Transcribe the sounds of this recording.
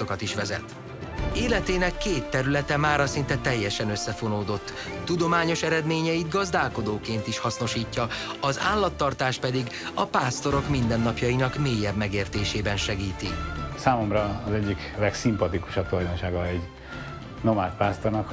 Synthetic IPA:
okɒt̪iʃʋɛzɛ̰t̪ | eːlɛt̪eːnɛkːeːt̪ːɛɾylɛt̪ɛmaːɾɒsint̪ɛt̪ɛjːɛʃɛnøsːɛfo̞noːd̪o̞t̪ː | ud̪o̞maːɲo̞ʃɛɾɛd̪meːɲɛjid̪ɡɒzd̪aːlko̞d̪oːkeːnt̪iʃhɒsno̞ʃiːcːɒɒzaːlːɒt̪ːɒrt̪aːʃpɛd̪iɡ | ɒpaːst̪o̞ɾo̞kmind̪ɛnːɒpjɒjinɒkmeːjːɛbmɛɡeːrt̪eːʃeːbɛnʃɛɡiːt̪ḭsaːmo̞mɾɒːzɛɟːik | lɛksimpɒt̪iku̥ʃɒp̚t̪olɒjd̪onʃaːɡɒɛɟ | nomaːlt̪̚paːst̪ornɒk

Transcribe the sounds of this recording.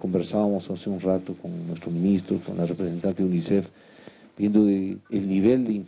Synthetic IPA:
kombeɾsaβamosaseunrat̪okonnwest̪ɾomĩnist̪ɾoko̰nlarepɾesent̪ant̪eunisef | b̥jend̪oelniβ̞eld̪eim

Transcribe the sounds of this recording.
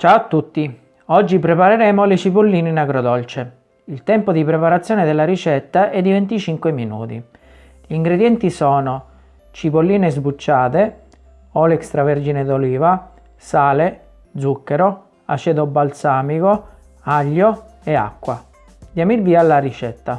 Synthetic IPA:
t͡ʃaoat̪ːut̪ːi | ɔd͡ʒːipɾepaɾeɾɛːmolɪt͡ʃipolːiːninakɾod̪ɔlt͡ʃe | ilt̪ɛmpod̪ipɾepaɾat̪sːjɔːned̪elːaɾit͡ʃɛt̪ːaʔɛd̪ːivɛnt̪it͡ʃiŋkweminṵːt̪ḭ | ʎiːŋɡɾed̪jɛnt̪isɔːno | t͡ʃipolːiːnezbut͡ʃːaːt̪e | ɔlɛkst̪ɾavɛɾd͡ʒined̪oliːva | saːle | d̪zukːeɾo | a̰t͡ʃɛd̪obalt̪saːmiko | aʎːo | ea̰kːwa | d̪jamirbiːalːaɾit͡ʃɛt̪ːa

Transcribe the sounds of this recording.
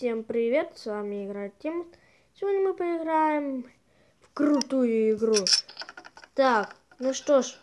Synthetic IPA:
sʲe̞mpɾʲɪvʲe̞t̪svamʲɪɪɡɾajt̪tʲːem | sʲɪvo̞dʲnʲəmɨpəɪɡɾajɪm | fkɾʊt̪ujʊɪɡɾu | t̪ak | nuʂt̪oʂ

